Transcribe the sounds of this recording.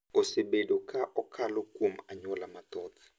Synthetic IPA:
oseɓedɔkʰaʔɔkʰalokumaɲɔlamatɔːtʰi̥

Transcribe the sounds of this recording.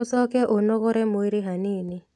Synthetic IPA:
sɔkɛʔonokɔɾɛmoiɾɪɦanɪnɪ

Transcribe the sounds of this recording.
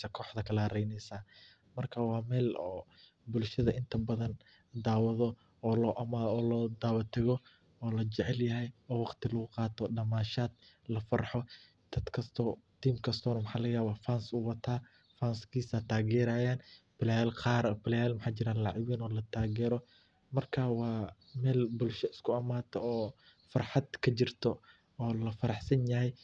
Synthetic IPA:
sɐkʰɔːħd̪ɐkʰɐlɐɾɛjnɛjsaː | mɐrkʰɐwɑːmɛːlɔː | bʊlʃɐðɐʔɪnt̪ʰɐbɐðɐn | d̪aːwɐðɔ | ɔːlɔːʔɐmaɔːlɔːd̪aːwɐt̪ʰɐɣɔ | ɔːlɐt͡ʃɛʕɛljɐɦɛjɔːwɑqt̪ʰɪlɐɣʊqɑːt̪ʰɔɖɐmaːʃaːd̪̥̚ | lɐfɑrħɔ | d̪̥ɐd̪̥kʰɐst̪ʰɔːt̪ʰiːmkʰɐst̪ʰɔːnɐmʊħaːlɐɣjaːwɐfaːnsʊwɐt̪ʰaː | faːnskʰiːsat̪ʰaːɣɛːɾaːjaːn | b̥ɪlaːlqɑːɾbɪlɛjaːlmɐħaːt͡ʃɪɾaːlɑʕɪwiːnɔːlɐt̪ʰaːɣɛːɾɔ | mɐrkʰaːwɑː | mɛːlbʊlʃɐɪskʰʊɐmaːt̪ʰɔɔː | fɑrħɑd̪kʰɐt͡ʃɪrt̪ʰɔ | ɔːlɐfɐɾɑħsɐnjɐɦɛj

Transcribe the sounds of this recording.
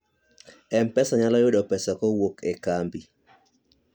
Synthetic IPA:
ɛmpɛsaɲalɔjʊɗɔpɛsɔkɔwokekambi

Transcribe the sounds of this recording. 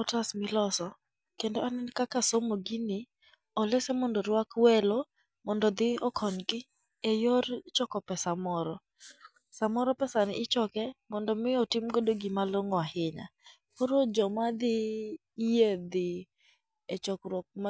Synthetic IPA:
ɔtasmɪlɔsɔ | kendoanɛnkakasomoɡinɪ | ɔlɛsɛmɔndɔɾwakwɛlɔ | mɔndɔd̪ɪɔkʰɔɲkɪ | ejort͡ʃɔkɔpɛsamɔɾɔ | samɔɾɔpɛsanɪ̰ʔɪt͡ʃɔkɛmɔndɔmɪɔtɪmɡodoɡimaloŋɔahɪɲa̰ | koɾod͡ʒɔmad̪ɪː | jed̪ɪ | et͡ʃɔkɾwok̚ma

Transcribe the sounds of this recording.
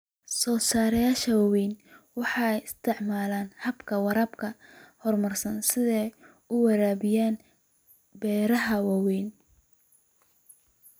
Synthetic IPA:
sɔːsaːɾɐjaːʃɐwɑwɛjnwɑħɑːjɪst̪ʰɪʕmaːlaːnhɐbkʰɐwɐɾɐbkʰɐhɔrmɐrsɐnsɪðɛj | ʊwɐɾaːβɪjaːn | bɛːɾɐɦɐwɑwɛːn

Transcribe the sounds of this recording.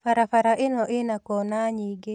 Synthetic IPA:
faɾafaɾaʔɪnɔʔɪnakɔnaɲiɡe

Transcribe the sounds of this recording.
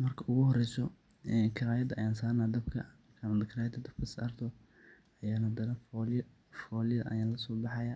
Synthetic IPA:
mɐrkʰɐʔʊɣʊɦɔɾɛjsɔ | ɛːkʰɐɾaːjɐd̪ɐʔɐjaːnsaːnaːd̪ɐbkʰɐ | kamɐd̪ɐkʰɪɾaːjɐd̪ɐd̪ɐb̥kʰɐsɐrd̪ʰɔ | ɐjaːnɐd̪ɐnɐfɔl | fɔːljɐðɐʔɐ̰jaːlɐsɔːbɑħɑjɐ

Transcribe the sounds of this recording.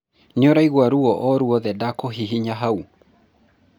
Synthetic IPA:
ɲɔɾaiɣwaɾuɔʔɔɾuɔðɛdakɔɦiɦiɲaɦau

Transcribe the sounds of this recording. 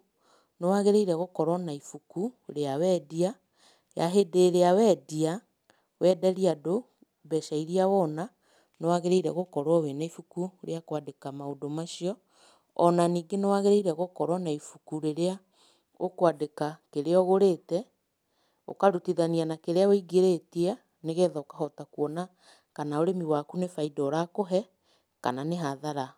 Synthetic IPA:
newaɣeɾeiɾɛɣokɔɾwɔnaifukuɾeawɛːdia | jaɦedeːɾeawɛːdia | wʔɛdɛɾiado | bɛʃaiɾiawɔna | newaɣeɾeiɾɛɣokɔɾwɔwɛnaifukuɾḛakwadekamaodomaʃiɔ | ɔnaniːɡenewaɣeɾeiɾɛɣokɔɾwɔnaifukuɾeɾea | okwadekakeɾeɔɣoɾetɛ | o̰kaɾutiðanianakeɾeaoiɡeɾetia | neɣɛːðaokahɔtakuɔna | kanaoɾemiwakunefaidɔɾakoɦɛ | ka̰naneɦaðaɾa

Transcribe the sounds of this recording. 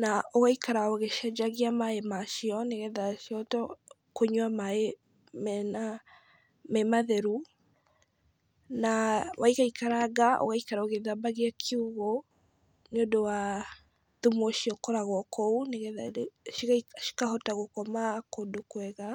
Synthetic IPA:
naoɣaikaɾaoɣeʃɛd͡ʒaɣiamaemaʃiɔneɣɛðaʃiɔtɔ | koɲwamae | mɛna | mɛmaðɛɾu | nawʔaiɣaikaɾaɣaʔo̰ɣaikaɾaoɣeðabaɣeakʰeuɣo | neodowa | ðumoʃiɔkɔɾaɣɔkʰɔuneɣɛðaʃiɣaiʃi̥kahɔtaɣokɔmakodokwɛɣa

